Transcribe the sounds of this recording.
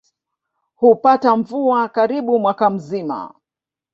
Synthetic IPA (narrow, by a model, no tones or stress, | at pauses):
hupataɱvuakaɾiɓumwakam̩zima̰